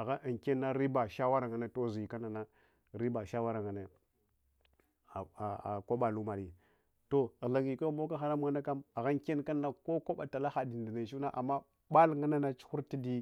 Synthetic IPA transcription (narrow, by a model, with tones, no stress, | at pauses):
a˨ɣa˦˨ke˦nːa˦ɾi˦ba˨ʃa˦wa˦ɾa˨ŋa˨ne˦to˦˨zi˨i˨ka˦na˨na˦ | ɾi˦ba˨ʃa˦wa˦ɾa˨ŋa˨ne˦ | a˨a˨a̰˨ko˦ɓa˨lu˦ma˨li˨ | to˦ɣɮa˨ŋi˨ko˦mo˦k̬a˦xa˨ɾa˦m˦ŋa˦na˦ka˦ma˨ɣa˦ŋke˦nka˦nː˦a˦ko˦ko˦ɓa˨ta˨la˦xa˨di˨ndi˨na˨t͡ʃu˦na˦ʔa˨mːa˦ | ba˦lŋa˦na˦na˦t͡ʃu̥˦xu˦ɾti˦di˦